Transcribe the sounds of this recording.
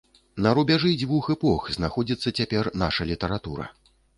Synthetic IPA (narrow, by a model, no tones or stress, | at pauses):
nɐɾubʲaʐɨd͡zʲvuxɛpɔxznaxɔd͡zʲit̪sːɐt͡sʲapʲɛrnaʂɐlʲit̪ɐɾat̪uɾɐ̰